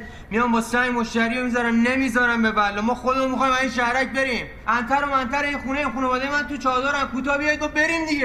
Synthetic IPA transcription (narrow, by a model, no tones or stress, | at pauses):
mijɒmbɒːsæmoʃt̪æɾiːomizɒɾæmnemizɒɾæmbebælːɒːmɒːxod̪emomixɒːjmæziːnʃæhɾæc̚be̞ɾim | ʔænt̪ʰæɾomænt̪ʰæɾeinxuːneimχuːnevɒːd̪ejemænt̪ut͡ʃʰɒːd̪ɒːɾæmkʰuːt̪ɒːbijɒjid̪̚ɡofbe̞ɾimd̪iɡe